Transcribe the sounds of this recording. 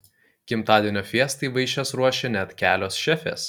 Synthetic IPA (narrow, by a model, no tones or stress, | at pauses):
kʲɪmt̪ɑːd̪ʲiɛnʲoːfʲiɛst̪ɐɪʋɐɪʃʲɛsɾuɔʃʲɛnʲɛt̪ʲkʲæːlʲoːsʃʲɛfʲḛːs